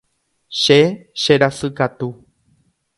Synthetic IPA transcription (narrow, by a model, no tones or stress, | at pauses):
ʃeʃeɾasɨkat̪u